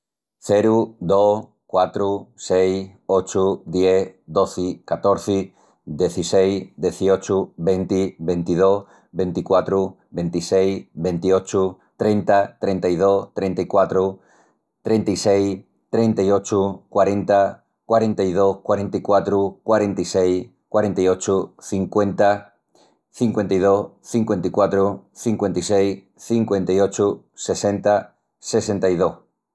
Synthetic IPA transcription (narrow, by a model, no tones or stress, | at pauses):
θeɾud̪os | kwat̪ɾusejot͡ʃud̪jed̪oθɪkat̪oɾθi | ðeθisejðeθiot͡ʃuβent̪iβẽnt̪ið̞oh | βent̪ikwat̪ɾu | bent̪isejβent̪iot͡ʃu | t̪ɾẽnt̪at̪ɾent̪ajð̞ost̪ɾẽnt̪aikwat̪ɾu | t̪ɾe̞nt̪isej | t̪ɾẽ̞nt̪aio̞t͡ʃukwaɾẽ̞nt̪a | kwaɾẽ̞nt̪aið̞ohkwaɾe̞nt̪ikwat̪ɾukwaɾe̞nt̪isej | kwaɾẽ̞nt̪aiot͡ʃuθiŋkwe̞nt̪a | θiŋkwe̞nt̪aið̞ohθiŋkwe̞nt̪ikwat̪ɾuθiŋkwe̞nt̪isej | θiŋkwẽ̞nt̪aiot͡ʃu | se̞sẽ̞nt̪a | se̞se̞nt̪ajðoh